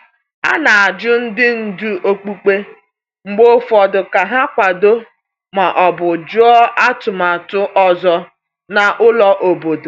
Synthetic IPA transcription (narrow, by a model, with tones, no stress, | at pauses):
a̰˦na˨a˨d͡ʒʊ˦n̩˦dɪ˦n̩˨du˦ʔo˦k͡pu˦k͡pe˦ | ŋ͡m̩˨ɡ͡bo˦fɔ˨dʊ˨ka˨ɦa˦kʷa˨do˦ | ma˨ʔɔ˨bʊ˨d͡ʒʊ˦ɔ˦ʔa˦tʊ˨ma˨tʊ˦ʔɔ˦˨zɔ˦ | na˨ʔʊ˦lɔ˦ʔo˨bo˨do˨